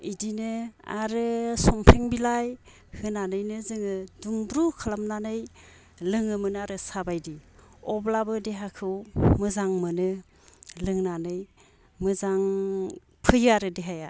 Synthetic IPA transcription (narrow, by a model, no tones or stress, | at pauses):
idinɯa̰ɾɯsɔmpʰɾeŋbilaj | hɯnanɯjnɯzɯŋɯdumbɾukʰalamnanɯj | lɯŋɯmɯnɯaɾɯsabajdiɔblabɯdeɦakʰɯwmɯzaŋmɯnɯ | lɯŋnanɯj | mɯzaŋ | pʰɯjaɾɯdeɦaja